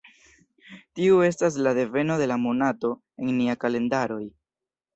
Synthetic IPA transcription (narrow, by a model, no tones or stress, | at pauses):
tiue̞s̬tas̬lade̞ve̞no̞de̞lamonato̞ | e̞ŋniakale̞ndaɾo̞j